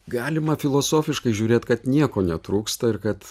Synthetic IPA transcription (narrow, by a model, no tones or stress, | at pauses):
ɡɑːlʲɪmɐfʲɪlˠoːsoːfʲɪʃkɐɪʒʲuːɾʲeːt̪kɐt̪nʲiɛkoːnʲɛt̪ɾuːkst̪ɐɪɾkɐt̪